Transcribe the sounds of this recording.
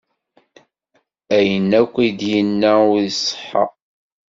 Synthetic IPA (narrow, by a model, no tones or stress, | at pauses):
æjənːækʷːid̪jənːæwsˤːə̥ħːɑ̰